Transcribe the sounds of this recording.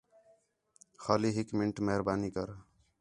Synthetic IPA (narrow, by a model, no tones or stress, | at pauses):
xaːliːɦɪkmɪɳʈmeɦɾbaːniːkəɾ